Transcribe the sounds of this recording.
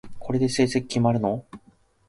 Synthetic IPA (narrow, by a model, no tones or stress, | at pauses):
kʰo̞ɾe̞d̪e̞se̞ːsekʲkʲimaɾɯ̟no